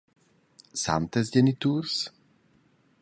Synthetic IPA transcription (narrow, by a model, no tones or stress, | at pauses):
sa̰mt̪ɛzɟɛnit̪uːɾs